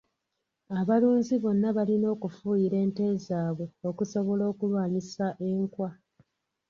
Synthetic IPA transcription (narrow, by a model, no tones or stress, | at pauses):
aβaluːnziβo̞nːaβalino̞ːkufuːjiɾe̞ːnte̞ːzaːβwe̞okuso̞βo̞lo̞ːkulwaːɲisaʔe̞ŋkwa